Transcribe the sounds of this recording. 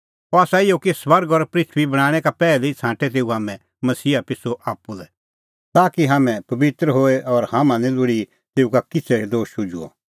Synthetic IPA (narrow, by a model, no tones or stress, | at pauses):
ɔaːsaɪjokisʋɐɾɡɔɾpɾɪt̪ʰʋibɐɽ̃aːɽ̃ɛ̃kapɛːlit͡sʰãːʈɛt̪̬eːuɦaːmɛ̃ | mɐsiːapɪsoʔaːpːulɛ | t̪aːkiɦaːmɛ̃pɐbɪt̪ɾəɦoːeʔɔɾhamãnĩlʊɽi | t̪eːukakɪt͡sʰeed̪oːʃʊd͡ʒṵɔ̰